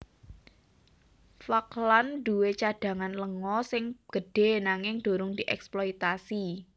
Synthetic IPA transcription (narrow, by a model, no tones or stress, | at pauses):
faklanɖ̥uwet͡ʃaɖ̥a̤ŋanləŋɔsɪŋɡ̥ə̤ɖ̥e̤naŋɪŋd̥o̤ɾʊŋd̪̥iʔɛ̰ksploit̪asi